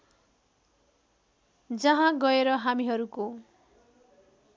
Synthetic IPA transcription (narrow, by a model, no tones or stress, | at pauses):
d͡zʌɦãɡʌeɾʌɦamiɦʌɾuko